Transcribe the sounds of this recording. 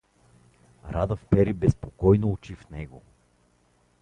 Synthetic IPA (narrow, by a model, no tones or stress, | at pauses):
ɾad̪əfpɛɾibɛspokɔjnout͡ʃifnɛɡo̰